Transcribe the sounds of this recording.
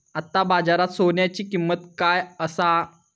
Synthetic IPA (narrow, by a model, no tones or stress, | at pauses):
at̪ːabad͡zaɾat̪soɳjat͡ɕiːkimːət̪kajəsa